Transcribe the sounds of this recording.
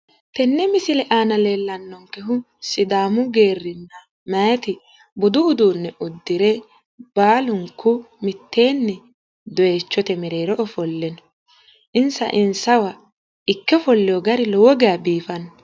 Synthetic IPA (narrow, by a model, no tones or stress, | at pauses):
t̪ɛnːɛmɪsɪlɛʔaːnɐleːlːɐnːɔŋkɛɦʊ | sɪd̪aːmʊɡeːrːɪnːɐ | mɐjt̪ɪ | bʊd̪ʊːd̪uːnːɛʔʊd̪ːɪɾɛ | baːlʊŋkːʊmɪt̪ːe̞ːnːɛ | d̪ɔeːt͡ʃːɔt̪ɛmɛɾe̞ːɾɔʔɔfɔlːɛnɔ̥ | ʔɪnsɐ̰ʔɪnsɐwɐ | ɪkːɛfɔlːɛjɔɡɐɾɪlɔwɔɡɛjɐbiːfɐnːɔ